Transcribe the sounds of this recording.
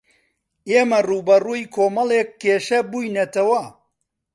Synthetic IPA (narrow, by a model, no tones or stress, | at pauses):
eːmɐruːbɐruːjkʰoːmɐlˠeːkːeːʃɐbuːjnɐt̪ɐwɐ